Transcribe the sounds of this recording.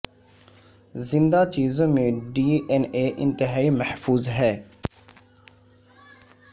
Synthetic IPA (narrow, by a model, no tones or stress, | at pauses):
zɪ̃nd̪at͡ʃiːzõmẽɖiːeneːʔɪ̃nt̪ɪɦaːimɐhfuːzɦɛː